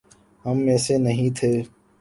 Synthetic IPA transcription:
ɦəmɛːseːnəɦĩːt̪ʰeː

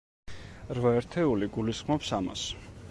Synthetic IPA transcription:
ɾvaɛɾt̪ʰɛuliɡulisχmɔpsama̰s

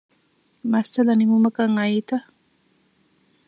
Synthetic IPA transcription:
masalanimumakaŋait̪a

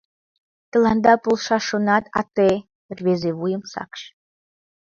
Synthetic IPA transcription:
t̪ə̆lɑnd̪ɑpolˠʃɑʃonɑt̪ɑ̰t̪e | rβezeβujə̆msɑ̰kʃ

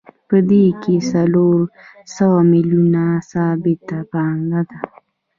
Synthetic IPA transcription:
pəd̪ekesaloɾ | sawamiljunasabɪt̪apaŋɡad̪a

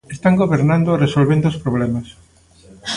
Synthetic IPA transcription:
est̪aŋɡoβeɾnand̪oresolβend̪ospɾoβ̞lɛmas

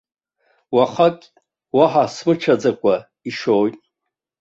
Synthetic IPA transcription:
waχakʲʼ | waħasmɨʈ͡ʂʰad͡zakʷʼa | iʂojtʼ

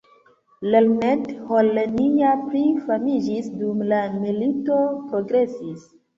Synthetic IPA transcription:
lelnetholːenijapɾifamid͡ʒisdumlamilito̞pɾo̞ɡɾe̞sis

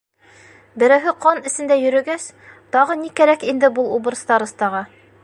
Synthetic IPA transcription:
bɘ̆ɾæwɦɘqɑnɘ̆sɘ̆nd̪æjɵ̆ɾɵ̆ɡæs | t̪ɒʁɤnikæɾækind̪ɘbulˠubɤ̆ɾst̪ɑɾɤ̆st̪ɑʁɑ

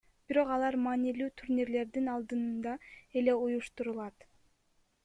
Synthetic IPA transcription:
b̥iɾo̞qɑlˠɑɾmɑːnilyːt̪ʰuɾnʲiɾle̞ɾd̪inɑlˠd̪ɯnnd̪ɑe̞le̞ujuʃt̪uɾulˠɑt̪

